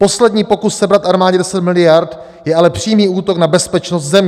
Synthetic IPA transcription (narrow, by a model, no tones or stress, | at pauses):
po̞slɛdɲiːpo̞kussɛbɾat̪ʔaɾmaːɟɛdɛsɛt̪mɪlɪjaɾt̪ | jɛʔalɛpr̝̥iːmiːuːt̪o̞knabɛspɛt͡ʃnost̪zɛmɲ